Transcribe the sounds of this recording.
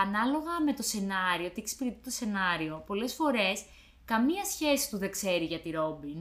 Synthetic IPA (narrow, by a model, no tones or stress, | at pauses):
ɐnɐlo̞ɣɐme̞t̪o̞se̞nɐɾiot̪ieçi̥spiɾit̪i̥t̪o̞se̞nɐɾio̞po̞le̞sfo̞ɾe̞s | kɐmiɐsçe̞si̥t̪uðe̞kse̞ɾiʝɐt̪iɾo̞bin